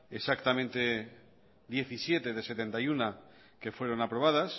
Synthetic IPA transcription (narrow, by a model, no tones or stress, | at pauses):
esakt̪amẽnt̪e̞ | d̪je̞θisje̞t̪e̞ðe̞se̞t̪e̞nt̪ajuna | ke̞fwe̞ɾo̞napɾo̞β̞að̞as